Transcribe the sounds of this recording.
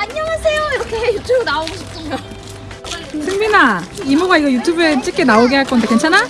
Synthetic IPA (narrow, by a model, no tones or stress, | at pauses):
aɲːʌŋasʰejoiɾʌkʰeejutʰubɯnaoɡoɕʰi̥p̚s͈ʌɲo | sʰɯŋminaimoɡaiɡʌjutʰubɯt͡ɕ͈ik͈ʰenaoɡeɦaɭk͈ʌndekent͡ɕʰana